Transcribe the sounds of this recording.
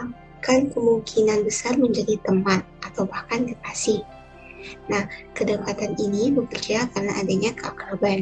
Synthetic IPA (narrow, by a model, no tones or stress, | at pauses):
a | kanpəmuŋkʰinanbəsarməɲd͡ʒadit̪əmat̪̚ʔat̪awbahkandəpasi | nahkədəkat̪aninibəkərd͡ʒakarnaʔadaɲakəa̰kɾaban